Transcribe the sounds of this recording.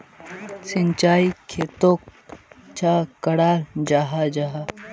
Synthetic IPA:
sɪɲt͡ʃaːikʰeːt̪oːkt͡ʃakəɽaːd͡ʒaːɦad͡ʒaɦa

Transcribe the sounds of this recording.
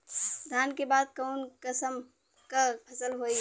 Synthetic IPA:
d̪ʱankebad̪̚kəʊnkəsəm | kapʰəsəlɦoj

